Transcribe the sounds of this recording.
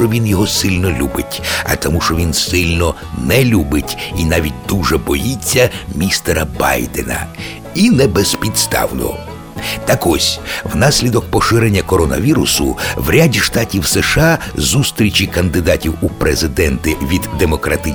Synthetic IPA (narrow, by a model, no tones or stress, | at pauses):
ɔʋʲinjɔɦɔsɪlʲnɔlʲubɪtʲɐ̰t̪ɔmuʃɔʋʲinsɪlʲnɔ | nɛlʲubɪtʲinɑʋʲit̚ʲd̪uʒɛbɔjit͡sʲːɐmʲist̪eɾɐbɑ̰jd̪ḛnɐ̰ | inɛbɛzpʲid̪st̪ɑ̰wnɔ̰ɦɔ̰ | t̪ɐkɔsʲwnɑsʲlʲid̪ɔk̚pɔʃɪɾenʲːɐkɔɾɔnɐ̰ʋʲiɾʊsʊ̰wɾʲadʲiʃt̪ɑtʲiwsɛʃɑ | zust̪ɾʲit͡ʃikɐnd̪ɪd̪ɑtʲiwupɾʔezɪd̪ɛnt̪ɪʋʲid̪ːemɔkɾɐt̪ɪ